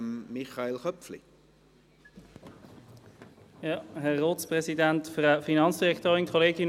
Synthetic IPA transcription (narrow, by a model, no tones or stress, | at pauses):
mːiχɑelχœpflḭ | jɑhɛʁːoːtspʁɛsidɛntfʁəfinɑnsd̥iʁɛkt̪oːʁɪŋkʰoleːɡɪn